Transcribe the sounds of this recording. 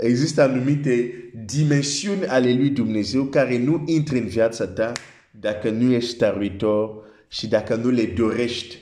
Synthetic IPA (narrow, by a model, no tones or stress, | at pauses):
eɡzist̪ãnumit̪edimɛ̃nsjunalelwid̪umnezewkaɾenuʔĩnt̪ɾenvjadsat̪ã | dakanuest̪aʁwitɔʁ | ʃidakanuledoʁɛʃt̪